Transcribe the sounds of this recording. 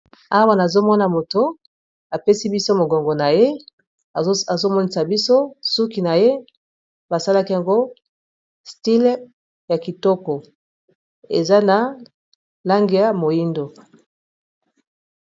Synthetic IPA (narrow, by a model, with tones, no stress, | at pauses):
a˦wa˦na˨zo˦mɔ˦na˨mo˨to˨ | a˨pe˦si˦bi˦so˦mo˨ɡo˨ŋɡɔ˨na˨je˦˨ | zo˦mɔ˦ni˦sa˨bi˦so˦su˦ki˨na˨je˦ | ba˨sa˦la˦ki˦ja˨ŋɡo˦ | sti˦l | ja˨ki˨tɔ˦kɔ˨ | e˨za˦na˨ | la˦ŋɡi˦ja˦mo˨ji˦ndo˨